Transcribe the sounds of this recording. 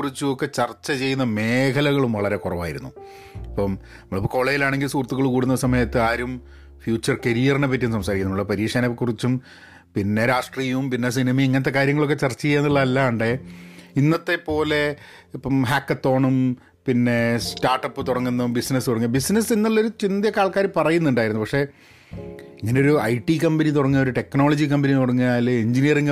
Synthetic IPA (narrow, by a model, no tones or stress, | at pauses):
kurit͡ɕːuokːe̞t͡ɕɐrt͡ɕːɐt͡ɕe̞junːɐme̞ːkʰɐlɐɣɐɭumʋɐɭɐɾe̞kurɐʋa̰ːjḭɾṵnːu | ɐpːom | nɐmɐɭipːoko̞ːɭejilaːɳe̞ŋɡilsuːrɐt̪ːuɣɐɭkuːɽunːɐsɐmɐjɐt̪ːɨaːɾum | fjuːt͡ɕːɐrkɐɾijɐrnep̬ːɐt̬ːijumsɐmsaːɾikːunːumːɭːɐpɐɾiːʂanɐekːurit͡ɕːum | pinːe̞ɾaːʂʈriːjumpinːesinimɐeŋːɐnɐt̪ːe̞kaːɾjɐŋːɐɭo̞kːet͡ɕɐrt͡ɕːɐejːaːnːiɭːɐɐlːaɳɖɨinːɐt̪ːe̞po̞ːle̞ | ɦaːkːɐt̪ːo̞ːɳum | pinːe̞sʈaːrʈːɐpːɨt̪uɽɐŋːunːɐmbisnɐsɨt̪uɽɐŋːubisnɐsinːɐɭːɐo̞ɾut͡ɕind̪jɐkaːɭkaːɾɨpɐrɐjunːuɳɖaːjiɾunːupɐkʂe̞ | iŋːɐneo̞ɾuɐ̰jʈikɐmbɐnit̪̬uɽɐŋːuɐoɾuʈe̞kno̞ːɭɐd͡ʑikɐmbɐnit̪uɽɐŋːujaːlːeɲd͡ʑinijɐriŋɡ